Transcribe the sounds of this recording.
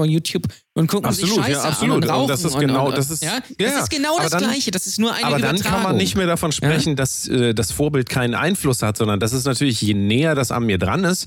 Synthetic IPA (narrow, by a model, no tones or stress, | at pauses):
ɔnjuːtʰjuːp | ʔʊntkʰʊkapɪ̥zoluːtjaːʔapz̥oluːtʊnd̥asɪsɡ̥ənaʊd̥as̬ɪsaj̥ajaːɡ̥ənaʊabɐdalaɪçədasɪstnuːɐʔa̰ɪaːbɐdankʰanmanːɪçtmeːɐdafɔnʃpʁ̥ɛçn̩dasʔɛːdasfoːɐbɪltkʰaɪnənʔa̰ɪnflʊshatz̥ɔndɐndas̬ɪstnatʰyːɐlɪçjeːnɛːɐdasa̰nmiːɐdʁa̰nɪst